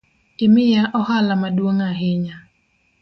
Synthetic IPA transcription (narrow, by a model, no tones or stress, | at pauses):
tɪmɪjaʔɔhalamadwoŋaɦɪɲa